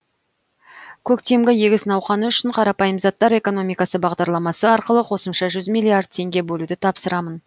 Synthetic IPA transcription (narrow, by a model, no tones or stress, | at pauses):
kʲʰɵkt̪emɡʲɪjeɡʲɪsnɑwχɑnəʏʃɪɴqʰɑɾɑpɑjəmzɑt̪ːɑɾe̞ko̞no̞mijkɑsəbɑʁd̪ɑɾlˠɑmɑsəɑɾqəlˠəqʰo̞səmʃɑʒʏzmijlʲˠiard̪̚t̪ʰe̞ŋɡʲe̞bɵlud̪ɪt̪ʰɑpsəɾɑmən